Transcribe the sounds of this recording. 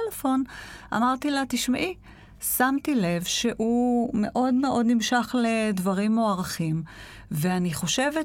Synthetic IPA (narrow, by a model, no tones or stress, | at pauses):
lefo̞nʔa̰maʁt̪ilat̪iʃmaʔi | samt̪ilevʃeʔume̞ʔo̞d̪me̞ʔo̞dnimʃaχle̞dvaʁimoaʁaχim | veaniχo̞ʃe̞ve